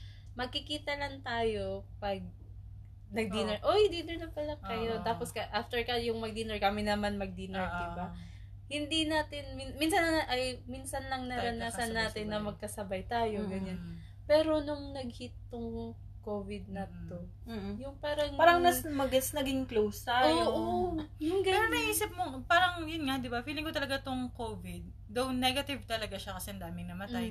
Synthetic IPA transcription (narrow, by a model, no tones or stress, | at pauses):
mɐɡ̚kɪkiːt̪ɐlɐŋt̪aːjo̞pɐɡ̚ | nɐɡ̚d̪inɐʔohɪnd̪inɛɹnɐpɐlɐkɐjot̪aːposkɐʔaft̪ɛɹkɐjʊŋmɐɡ̚d̪inɛɹkɐmɪnɐmanmɐɡ̚d̪inɛɹd̪ɪba | hɪnd̪inaːt̪ɪnmiminsɐnɐnʔɐjminsɐnlɐŋnɐɾɐnasɐnːaːt̪ɪnːɐmɐɡ̚kɐsɐbajt̪aːjo̞ɡɐɲan | pɛːɾo̞nʊŋnɐɡ̚hɪt̪ːʊŋ | koːvɪd̪̚nɐt̪o̞ | jʊŋpaːɾɐŋaːɾɐŋnɐsmɐɡɐsnɐɡɪŋklowst̪aooʔoojʊŋɡɐɾamɐjʔiːsɪp̚mopaːɾɐŋjʊnŋad̪ɪbafiːlɪŋkot̪ɐlɐɡat̪oŋkovɪd̪̚ːɐwnɛɡɐt̪ɪvt̪ɐlɐɡaʃɐkɐsɛʔɐnd̪aːmɪŋnɐmɐt̪aj